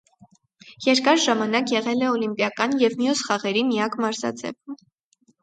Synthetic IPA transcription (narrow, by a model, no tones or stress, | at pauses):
jɛɾkɑɾʒɑmɑnɑkjɛʁɛlɛɔlimpjɑkɑnjɛvmjusχɑʁɛɾimijɑkmɑɾzɑ̰d͡zɛ̰v